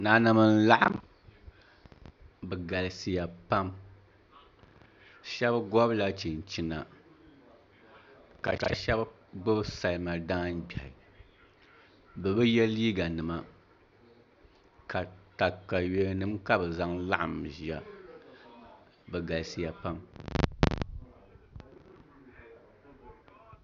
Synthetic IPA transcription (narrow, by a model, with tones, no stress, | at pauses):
naː˨na˨mɨ˨n̩˦la˦ʔa̰˦m | bɛ˨ɡa˨lsi˨ja˨pa˦m | ʃɛ˦bɡɔ˦bla˦t͡ʃi˨n˨t͡ʃi˨na˨ | ka̰˨ka̰˨ʃɛ˦b | ɡ͡bɔ˦bsa˨lɨ˨ma˨daː˦n˦bʲɛ˨hɪ̰˨ | bɛ˨bɛ˦jɛ˦liː˦ɡa˨nɨ˨ma˦ | ka˨ta˨ka˨jɥe˨˦nɨ˦mka˦bɨ˨za˦ŋla˦ʔa˨mʒi˨a˨ | bɛ˨ɡa˨lsi˨ja˨pa˦m